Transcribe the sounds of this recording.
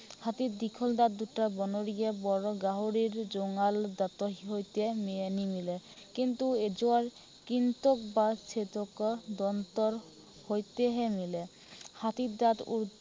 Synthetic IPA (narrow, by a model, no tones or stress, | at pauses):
hat̪iɾd̪ikʰɔld̪at̪d̪uʈabɔnoɾiebɔɾɔɡaɦoɾiɾd͡ʑoŋald̪at̪oɦiɦojt̪emienimile | kint̪ued͡ʑoaɾ | kint̪okbaɾt͡ɕʰet̪okɔd̪ɔnt̪ɔɾ | hojt̪eɦemile | hat̪iɾd̪at̪ṵɾ